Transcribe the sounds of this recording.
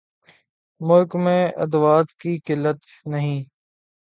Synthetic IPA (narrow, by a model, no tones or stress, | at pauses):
mʊlkmẽɐ̰d̪ʋaːt̪kikɪlːət̪ | nɐɦĩː